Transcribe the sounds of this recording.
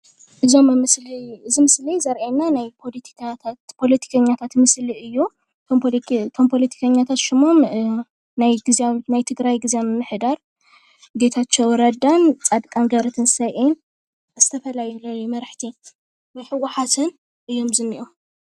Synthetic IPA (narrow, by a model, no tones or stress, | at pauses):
ʔɨzo̞mːɨmɨsliɨzimɨslijzɐɾʔenːanajpʰolt̪ʰi̥kʰat̪ʰapʰo̞lɐt̪ʰi̥kʰɐɲːat̪ʰat̪mɨsliɨjːu | t̪ʰmt̪ʰo̞mpʰo̞lɐt̪ʰi̥kʰɐɲːat̪ʰat̪ʃɪmom | najɡɨznajt̪ʰɨɡɾajɡɨzjamɨmːɨħd̪aɾ | ɡet̪ʰat͡ʃːɐwɾɐd̪ant͡sʼad̪kʼanɡɐɾɐt̪ʰɨnsɐʔen | z̥ɨt̪ʰɐfɐlajulɐjumɐɾħt̪ʰi | mɐjħɨwaħat̪ʰɨn | ʔɨjːo̞mzɨnːɨʔum